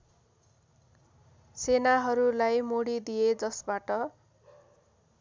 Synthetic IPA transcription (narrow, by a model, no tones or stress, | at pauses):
senaɦʌɾulajmoɽid̪ijed͡zʌsbaʈʌ